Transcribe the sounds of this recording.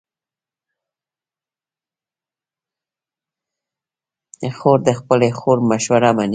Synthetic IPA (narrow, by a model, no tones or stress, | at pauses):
əxoɾd̪əxpəlexoɾmaʃwaɾaman